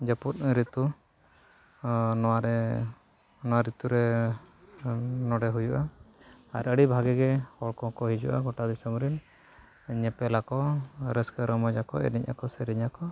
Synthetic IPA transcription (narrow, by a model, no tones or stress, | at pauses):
d͡ʒəput̪̚ɾit̪u | nɔaɾɛ | nɔwaɾit̪uɾɛ | nɔɖɛɦujuʔa | aɾəɽibʱaɡɛɡɛhɔɭkɔkɔɦid͡ʒṵʔa̰ɡɔʈad̪isəmɾin | ɲɛpɛlakɔɾɛskəɾɔmɔd͡ʒakɔ̰ɛ̰diɲa̰kɔsɛɾiɲakɔ